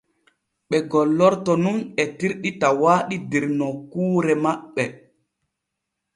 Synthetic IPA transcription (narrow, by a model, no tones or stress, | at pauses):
ɓɛɡɔlːɔɾtɔnuŋɛtiɾɗitawaːɗidiɾnɔkuːɾɛmaɓɛ